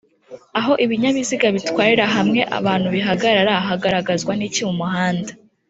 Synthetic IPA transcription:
aɦo̞ʔiβiɲaβiziɡaβitwaːɾiɾaɦamŋe̞ʔa̰βaːn̥huβiɦaɡaɾaɾaaɦaɡaɾaɡazɡwaniciwumuɦaːnda

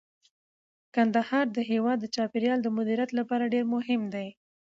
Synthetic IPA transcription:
kand̪ahɑɾd̪əɦewɑd̪ːət͡ʃɑpeɾjɑld̪əmʊd̪iɾjat̪lapɑɾaɖeɾmʊhɪmd̪aj

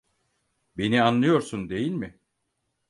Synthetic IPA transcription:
be̞nianlˠɯjo̞ɾsund̪e̞jilʲmɪ

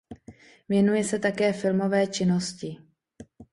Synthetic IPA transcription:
vjɛnujɛsɛt̪akɛːfɪlmo̞vɛːt͡ʃɪno̞scɪ

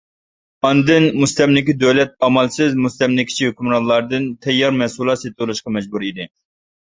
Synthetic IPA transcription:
ɑnd̪ɨnmust̪ɛmlɪkʲid̪ølɛt̪̚ɑmɑlˠsɪzmust̪ɛmlɪkʲʰi̥t͡ʃʰiɦøkʲymɾɑnlːˠɑɾd̪ɨnt̪ʰɛjːɑɾmɛsulˠɑt̪set̪ʰɨlˠɨʃqɑmɛd͡ʒbuɾid̪ɪ

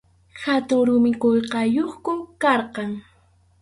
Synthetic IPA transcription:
xhat̪ʊŋɾʊmɪqoʎqɑjoχkʊkɑɾqɑŋ

